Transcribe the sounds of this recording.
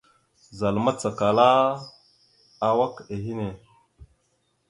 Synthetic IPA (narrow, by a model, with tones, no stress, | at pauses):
za˨lma˦t͡sa˨ka˨la˦ | a˨wa˦ke˨ɦi˦ne˨